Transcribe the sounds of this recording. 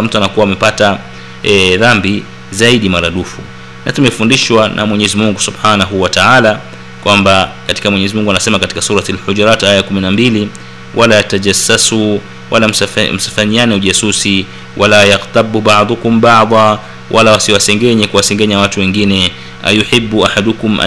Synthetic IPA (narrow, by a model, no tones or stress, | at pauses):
m̩tuanakuwaːmɛpata | ɛðambi | zaiɗimaɾaɗufu | natumɛfundiʃwanʔa̰mwɛɲɛzimuŋɡusubħanaɦuwataʕala | kwambakatikamwɛɲɛzimuŋɡuanasɛmakati̥kasuɾatalħud͡ʒɾatajakuminambili | wʔalaataʄasːasu | walamm̩sḁfaɲianɛuʄasusi | wʔalajaɣt̪abubaʕðˤukumbaʕðˤɑ | wʔalawasiwasɛŋɡɛɲɛkuwasɛŋɡɛɲawatuwɛŋɡinɛ | a̰juħibːuʔaħadukumʔa̰